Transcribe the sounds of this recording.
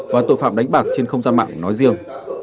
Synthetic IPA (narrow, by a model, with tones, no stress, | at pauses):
vaː˨˩t̪o̰˧˨jfa̰ː˧˨mɗa˨˦ŋ̟ɓaː˨˩k̚t͡ɕe˧nxə˧wŋ͡mzaː˧nma̰ː˧˨ŋnɔ˨˦jzi˧əŋ